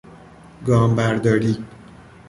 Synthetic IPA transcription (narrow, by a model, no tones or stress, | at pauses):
ɡɒːmbæɾd̪ɒːɾiː